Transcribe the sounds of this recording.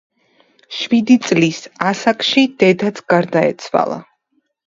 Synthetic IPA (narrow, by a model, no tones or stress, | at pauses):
ʃwid̪it̪sʼlisasakʼʃid̪̥ɛd̪at̪sʰɡ̥aɾd̪aɛt̪sʰwa̰lˠa̰